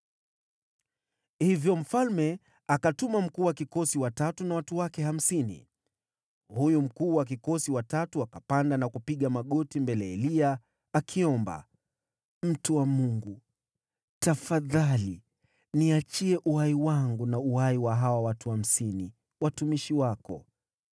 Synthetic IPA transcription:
hivjɔm̩falmɛ | akatumam̩kuːwakikɔsiwatatunawatuwakɛham̩sinḭ | hujum̩kuːwak̬ikɔsiwatatuakapandanakupiɠamaɠɔtimbɛlɛɛlia | akʰiɔmba̰ | m̩tuwamuŋɡu | tafaðali | niat͡ʃiɛʔuhaiwaŋɡunauaiwaɦawawatuham̩sini | watumiʃiwakɔ̰

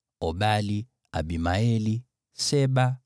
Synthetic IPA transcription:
ɔbali | a̰bimaɛli | sɛba

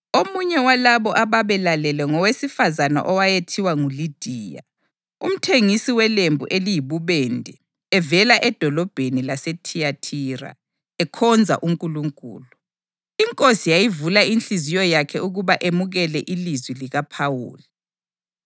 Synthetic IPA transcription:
omuɲɛwalaβɔʔaβaβɛlalɛlɛŋɔwesifazana̰ʔɔwajetʰiwaŋulid̥ʱiːja̰ | ṵm̩tʰeŋisiwɛlembʱuʔelijiβuβɛndʱɛː | vɛlaʔɛd̥ʱɔlɔb̥ʱenilasetʰiatʰira̰ | ɛkʰɔnd͡zʱa̰ʔuŋkʼuluŋkʼṵːlu | iŋkʼosijajivulainɬizijɔjakʰɛuɣuβaʔemuɣɛlɛʔilizwiliɣapʰawṵːli

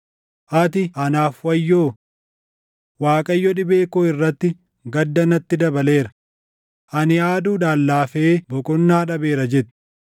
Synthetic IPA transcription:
ʔɐt̪̬ɪʔɐnaːfwɐjːoː | waːkʼɐjːɔᶑɪbe̞ːkoːɪrːɐt̪ːɪ | ɡɐd̪ːɐnɐt̪ːɪd̪ɐbɐle̞ːɾɐ̥ | ʔɐnɪaːd̪uːᶑ̪aːlːaːfeːbɔkʼɔnːɐhɐᶑɐbe̞ːɾɐd͡ʒɛt̪ːɪ̥

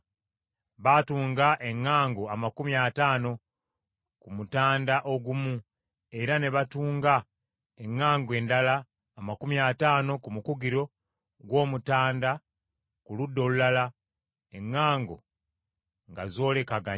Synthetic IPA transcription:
βatuːŋɡaʔe̞ŋːaːŋɡoamakumiataːno̞ | kumutaːndaʔo̞ɡumu | e̞ɾane̞βatuːŋɡa | eŋːaːŋɡwe̞ːndalaː | makumiataːno̞kumukuɡiɾo̞ | ɡwo̞ːmutaːnda | kuludːo̞lulala | eŋːaːŋɡo̞̰ | ŋɡazo̞ːle̞kaɡa

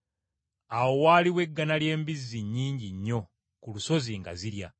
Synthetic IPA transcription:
awo̞waːliwe̞ɡːanalje̞ːmbizːiɲːiːɲɟiɲːo̞ | kuluso̞ziŋɡa̰ziɾja̰

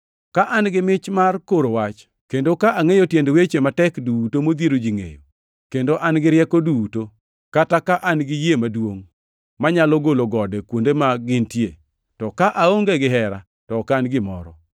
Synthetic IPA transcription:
kaʔanɡɪmɪt͡ʃmarkoɾowat͡ʃ | kendokaʔaŋejotjendwet͡ʃematɛkduːtomod̪eɾod͡ʒiŋḛjo | kendoʔanɡɪɾɪjɛkoduuto | katakaʔanɡɪjemadwoŋ | maɲalɔɡoloɡɔdekwondemaɡɪntjḛ | tɔkaʔaoŋɡeɡɪɦɛɾa | tɔkaːnɡɪmɔ̰ɾɔ

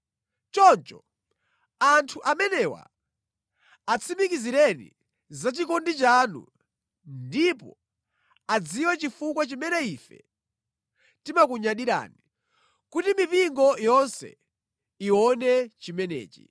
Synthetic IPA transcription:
t͡ʃɔnt͡ʃɔ | antʰuʔamɛnɛwa̰ | at͡sʰimikiziɾɛnḭ | zat͡ʃikɔndit͡ʃanṵ | ndipɔ̰ | ad͡ziwɛt͡ʃifukwat͡ʃimɛnɛifɛ̰ | timakuɲaɗiɾa̰ːni | kutimipiŋɡɔjɔnsɛ̰ | iwɔnɛt͡ʃimɛnɛ̰ːt͡ʃi̥̰

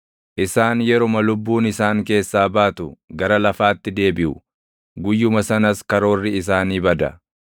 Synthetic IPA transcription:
ʔɪsaːnjɛɾɔmɐlʊbːuːnɪsaːŋke̞ːsːaːbaːt̪ʊɡɐɾɐlɐfaːt̪ːɪd̪e̞ːbɪʔʊ | ɡʊjːʊmɐsɐnɐskɐɾo̞ːrːɪs̬aːniːbɐd̪ɐ̰

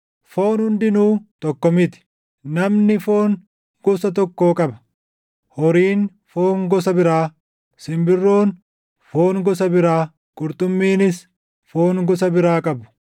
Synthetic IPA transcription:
fo̞ːnhʊnd̪ɪnuːt̪ɔkːɔmɪt̪ɪ̥ | nɐmnɪfo̞ːŋ | ɡ̥ɔsɐt̪̬ɔkːo̞ːkʼɐbɐ̥ | hɔɾiːn | foːŋɡɔs̬ɐbɪɾaː | sɪmbɪrːo̞ːn | foːŋɡɔs̬ɐbɪɾaː | kʼʊɾt̪ʼʊmːiːnɪs | foːŋɡɔs̬ɐbɪɾaːkʼɐbʊ̥

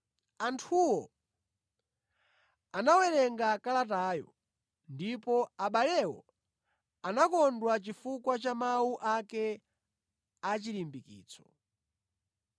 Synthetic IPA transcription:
antʰuwɔ | anawɛɾɛŋɡakalat̬aːjɔ̰ | ndipɔaɓalɛwɔ̰ | anakɔndwat͡ʃifukwat͡ʃamawuʔakɛ | at͡ʃilimbikḭːt͡sʰɔ̥

